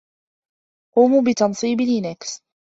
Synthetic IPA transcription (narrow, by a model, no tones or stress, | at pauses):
quːmuːbɪt̪ɑnsˤiːblɪnaks